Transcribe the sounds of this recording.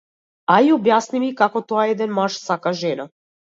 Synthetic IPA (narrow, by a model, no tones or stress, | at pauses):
aiɔbjasnimikakɔt̪oaɛd̪ɛnmaʃsakaʒɛna